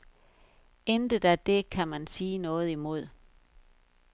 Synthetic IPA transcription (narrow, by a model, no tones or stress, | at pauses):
end̥ə̥æd̥e̝kʰæmænsiːnɔ̽ːð̞̩ˠimo̝ð̞̰ˠ